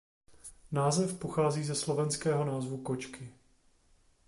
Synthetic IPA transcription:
naːzɛfpoxaːziːzɛslo̞vɛnskɛːɦo̞naːzvukot͡ʃkɪ

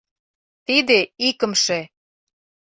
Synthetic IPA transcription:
t̪id̪eikə̆mʃe

